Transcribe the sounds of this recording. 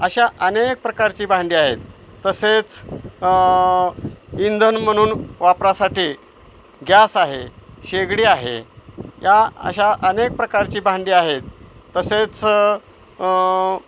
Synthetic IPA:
əɕaʔənek̚pɾəkaɾt͡ɕiːbʱãɳɖiːaɦet̪ː | əset͡s | ind̪ʱənm̤əɽ̃uːnʋapɾasaʈiː | ɡʱjasaɦeɕeɡɽiːaɦḛjaə̰ɕaʔənek̚pɾəkaɾt͡ɕiːbʱãɳɖiːaɦet̪ːəset͡s

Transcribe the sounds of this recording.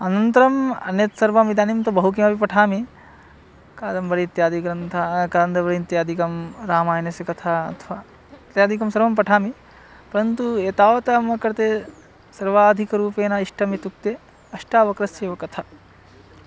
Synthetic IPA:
ɐnɐnt̪ɐɾɐmɐ̰njɐt̪sɐɾʋɐmid̪aːnimt̪ɐbɐɦuk̬imɐpipɐʈʰaːmi | kaːd̪ɐmbɐɾit̪jaːd̪iɡɾɐnt̪ʰakɐɐnd̪ɐʋɐɾint̪jaːd̪ʱikɐmɾaːmaːjnɐsjɐkɐt̪ʰaɐ̰t̪ʰʋaː | t̪jaːd̪ʱikɐmsɐɾʋɐmpɐʈʰaːmi | pɐɾɐnt̪ueːt̪aːʋɐt̪ɐmɐkɐɾt̪e | sɐɾʋaːd̪ʱikɐɾuːpeːnɐiʂʈɐmit̪uk̚t̪e | ɐʂʈaːʋɐkɾɐseːʋɐkɐt̪ʰɐ

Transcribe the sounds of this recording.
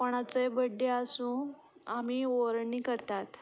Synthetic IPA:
pəɽ̃at͡səjbəɖːeasũ | amiːoɾɳiːkəɾt̪at̪

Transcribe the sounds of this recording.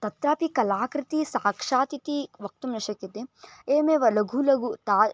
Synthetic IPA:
t̪ɐt̪ɾaːpikɐlaːkɾɪt̪isaːkʂaːt̪it̪iʋɐk̚t̪umnɐʃɐkːit̪eeːmeːʋɐlɐɡʱulɐɡut̪aː

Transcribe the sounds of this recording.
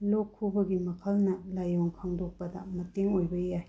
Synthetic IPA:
lokʰːubɐɡimɐkʰɐlnɐlajoŋkʰaŋdok̚pɐdɐ̰mɐteŋojbɐjaj

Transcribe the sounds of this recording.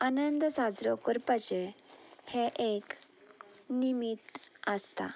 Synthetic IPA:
anənd̪sad͡zɾɔkəɾpat͡ɕeheʔek | nimit̪əst̪a̰

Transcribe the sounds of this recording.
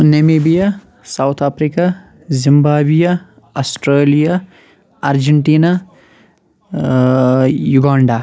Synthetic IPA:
nemebija | sawt̪ʰaːpʰɾika | zimbaːbija | ɐsʈɾeːlijaː | ɾd͡ʒeɳʈiːna | juɡaːɳɖa

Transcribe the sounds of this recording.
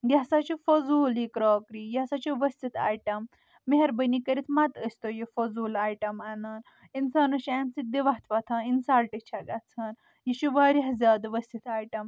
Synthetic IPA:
ɡʲaɦsat͡ʃʰifozuːljikɾoːkɾijasat͡ʃʰiʋɐsʲt̪it̪ʰa̰ːjʈɐmː | eɦeɾbənikəɾit̪ʰmɐt̪əsʲt̪ojifozuːlaːjʈɐmanan | insaːnɐʃaːnsit̪̚d̪iʋaɦt̪ʰʋɐt̪ʰɐninsaːlʈit͡ʃʰaɡat̪t͡sʰɐːn | jiʃʰuʋaːɾʲiɦzʲaːd̪ʋɐsʲt̪it̪ʰaːjʈɐm

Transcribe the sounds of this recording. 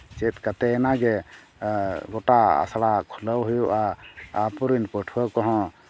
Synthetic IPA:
t͡ʃɛt̪̚kat̪ɛɛnaɡɛ | ɡɔʈaa̰slakʰuləwɦujuʔaapuɾinpɔʈʰuakɔɦɔ̃

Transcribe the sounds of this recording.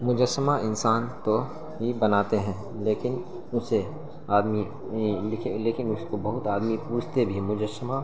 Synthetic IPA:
mʊd͡ʒəsəmaɪnsaːnt̪o | bibɐnaːt̪eɦɛ̃ː | leːkɪn | ʊse | aːd̪mi | lɪkʰleːkɪnʊskobɐɦʊt̪aːd̪mipuːt͡ʃʰt̪ebʱimʊd͡ʒəsəma

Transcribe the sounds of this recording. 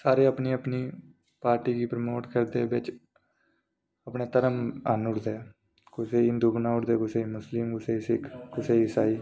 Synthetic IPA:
saːɾeːəpniːəpniː | paːɾʈiːɡiːpɾəmoːʈkəɾd̪eːbɪt͡ʃ | əpɳeːt̪əɾəmənʊɽd̪eː | kʊseːiːnd̪uːknãːʊʈd̪eːkʊseːiːmʊslɪmɡʊseːisɪkʰkʊseːɪsaːiː

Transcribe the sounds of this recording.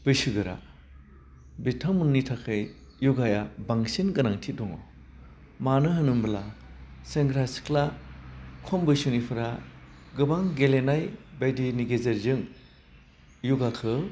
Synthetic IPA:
bɯjsɯɡɯɾa̰ | bitʰɔŋmɯnnitʰakʰɯj | juɡajabaŋsinɡɯnaŋtʰidɔŋɔ̰ | manɯɦɯnɯmbɯlaseŋɡɾasi̥kla | kʰɔmbɯjsunipʰɯɾa | ɡɯbaŋɡelenajbajdiniɡezeɾzɯŋ | juɡakʰɯ

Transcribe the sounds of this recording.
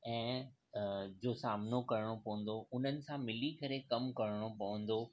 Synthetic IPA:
ɛ̃ː | d͡ʑoːsaːmnokɐɾɪɽ̃opɐʋə̃n̆d̪oʊn̤ənɪ̆sãmɪlikɐɾekɐmkɐɾɪɽ̃opɐʋə̃n̆d̪o

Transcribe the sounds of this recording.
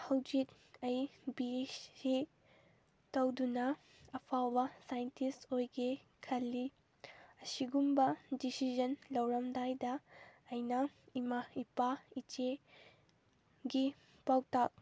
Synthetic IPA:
hɐwd͡ʒit | ɐjbiesi | tɐwdunɐ | ɐpʰawbɐsajntʰistojɡe | kʰɐlːi | ɐsiɡumbɐdisid͡ʒɐnlɐwɾɐmdajdɐːjnɐimaipait͡ʃe | ɡi | pawtak̚

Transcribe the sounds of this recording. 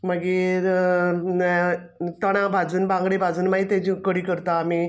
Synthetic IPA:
məɡiːɾ | t̪əɽ̃ãbʱad͡zuːnbãŋɡɽibʱad͡zuːnmaɦit̪ad͡ʑĩkəɽiːkəɾt̪aːmiː

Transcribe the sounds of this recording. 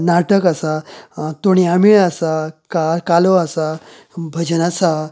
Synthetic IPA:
naʈəkasat̪oɽ̃iamiɭasakaɾkaloasa | bʱəd͡ʑənasa

